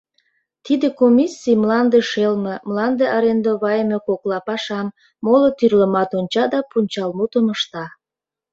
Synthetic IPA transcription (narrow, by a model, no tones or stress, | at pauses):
t̪id̪ekomʲisːijmlɑnd̪eʃelmemlɑnd̪eʔɑɾend̪oβɑjəmekoklɑpɑʃɑmː | olot̪yrlə̆mɑt̪onʲt͡ɕɑd̪ɑpunʲt͡ɕɑlmut̪əməʃt̪ɑ